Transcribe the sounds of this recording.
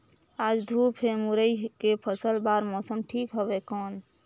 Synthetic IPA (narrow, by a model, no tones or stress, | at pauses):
ad͡ʒd̪ʱupʰemuɾəjkepʰəsəlbaɾmɔːsəmʈʰikɦobekɔːn